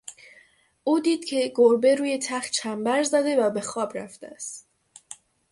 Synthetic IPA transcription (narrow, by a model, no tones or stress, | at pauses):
ʔuːd̪iːd̪̥cʲʰe̞ɡoɾbe̞ɾuːje̞t̪ʰæχt̪̚t͡ʃʰæmbæɾzæd̪e̞væbe̞xɒːbɾæ̰ft̪eæst̪